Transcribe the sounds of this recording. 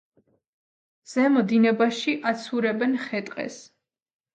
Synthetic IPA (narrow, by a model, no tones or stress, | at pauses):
z̥ɛmɔd̪inɛbaʃiʔat̪sʰuɾɛbɛnχɛt̪ʼqʼɛ̰s